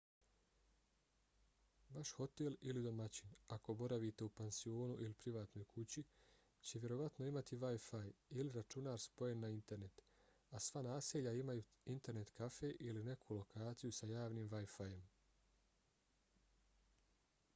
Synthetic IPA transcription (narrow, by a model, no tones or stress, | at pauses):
ʋaʃxo̞t̪elilid̪o̞mat͡ɕinako̞bo̞ɾaʋit̪e̞upensio̞ːnuʔilipɾiʋaːt̪no̞ːjkʰut͡ɕi | t͡ɕe̞ʋje̞ɾo̞ʋat̪no̞imat̪iʋajfajiliɾat͡ʃunaːɾspo̞je̞nːaint̪e̞ɾne̞t̪ | asʋanaːseʎaimajuint̪e̞ɾne̞t̪kafe̞ʔiline̞kʰulo̞kaːt̪sijusajaːʋniːmʋajfaje̞m